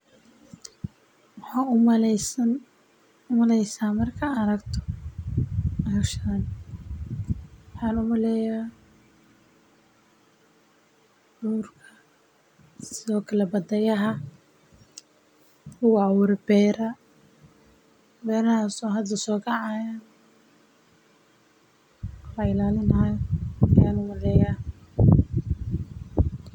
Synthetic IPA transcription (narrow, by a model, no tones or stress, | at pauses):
wħaːmsɐn | ʊmɐlɛjsaːmɐrkʰɐɐɾɐɡt̪ʰɔ̥ | ɐhɐʃɐɐn | wʊħɑːnʊmɐlɛja | duːrkʰɐ | sɪɔːkʰɐlɐbɐd̪ɐjɐɦɐ | ʊwawʊɾɛbɛːɾɐ | bɛːɾɐhaːsɔɦɐd̪ɐsɔːkʰɐʕajan | laɪlaːlɪnɐjɪjaːnʊmʊlɛːjaː